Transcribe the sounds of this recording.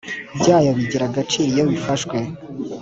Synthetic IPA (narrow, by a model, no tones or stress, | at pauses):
bjaːjoβiɟiɾaɡat͡ʃiːɾijoβifaʃkwe